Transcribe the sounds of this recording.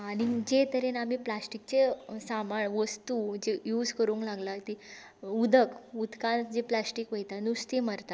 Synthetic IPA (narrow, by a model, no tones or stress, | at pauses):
añid͡ʑet̪əɾenam̤iplasʈik̚t͡ɕesamaɳʋəst̪ud͡ʑejuːd͡zkəɾuŋklaɡlat̪i | ud̪ʱəkud̪kãd͡ʑeplasʈikʋəjt̪anust̪iməɾt̪a